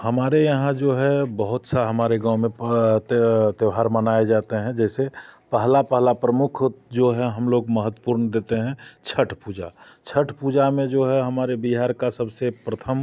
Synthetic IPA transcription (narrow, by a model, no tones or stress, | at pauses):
həmaːɾejɐɦãd͡ʒoːɦɛbəɦʊt̪saɦəmaːɾeɡãːʊ̃mẽt̪t̪eʊɦaːɾmənaːed͡ʒaːt̪eɦɛ̃d͡ʒɛːsepəɦlapəɦlapɾəmʊkʰd͡ʒoːɦɛ̃ɦɐmloːɡməɦət̪ːwəpuːɾnd̪eːt̪eɦɛ̃t͡ʃʰəʈʰpuːd͡ʒa̰ | t͡ʃʰəʈʰpuːd͡ʒamẽd͡ʒoːɦɛɦɐmaːɾebiɦaːɾkasəbsepɾət̪ʰəm